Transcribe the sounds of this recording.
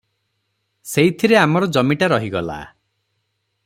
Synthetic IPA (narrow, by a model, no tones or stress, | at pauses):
seit̪ʰiɾeamɔɾɔd͡ʒɔmiʈaɾɔɦiɡɔla̰